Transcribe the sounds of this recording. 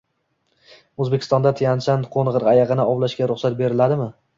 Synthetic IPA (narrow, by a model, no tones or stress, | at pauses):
ozbekʰʲɪ̥st̪ɒnd̪at̪ʰɪjant͡ʃʰanqʰonʁɨɾajɑʁɨnɪɒblaʃkʲaɾʊχsat̪̚be̞ɾɪlad̪ɪmɪ